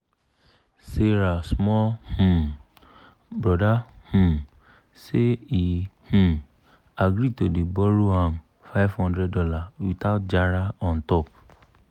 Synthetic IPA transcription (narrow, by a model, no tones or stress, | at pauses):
seɾasmɔhũ | bɾɔdahũ | seihũ | aɡɾitodebɔɾohãm | faɪvhɔ̃ndɾɛddɔlawitat̚d͡ʒaɾaɔ̃n̩tɔp̚